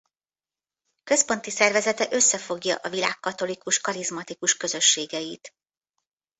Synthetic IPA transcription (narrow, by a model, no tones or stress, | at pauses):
kø̞spo̞n̪t̪isɛrvɛzɛt̪ɛʔø̞sːɛfo̞ɡjɒ̰ʔɒvila̰ːkːɒt̪o̞likuʃkɒɾizmɒt̪ikuʃkø̞zø̞ʃːeːɡɛjit̪